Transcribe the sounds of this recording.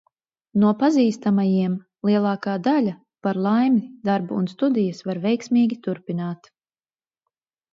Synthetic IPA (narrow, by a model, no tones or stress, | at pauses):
nuɔpaziːst̪amajiɛm | lˠiɛlˠɑːkaːd̪alʲa | paɾlˠajmid̪aɾbuṵnst̪ud̪ijəsvaɾvɛjksmiːɡʲit̪uɾpinaːt̪